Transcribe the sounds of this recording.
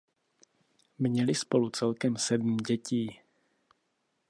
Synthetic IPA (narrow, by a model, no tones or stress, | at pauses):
mɲɛlɪspo̞lut͡sɛlkɛmsɛdm̩ɟɛciː